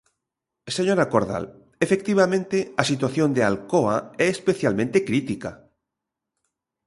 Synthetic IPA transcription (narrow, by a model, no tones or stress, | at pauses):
seɲoɾakoɾða̰l | efek̚t̪iβ̞amẽnt̪easit̪waθjond̪ealkoaɛːspeθjalmẽnt̪ekɾit̪ika̰